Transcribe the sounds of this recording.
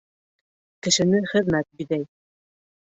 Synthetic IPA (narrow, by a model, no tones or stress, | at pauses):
kɘ̆ʃɘ̆nɘχɘ̆ðmæt̪̚jy̆d̪æj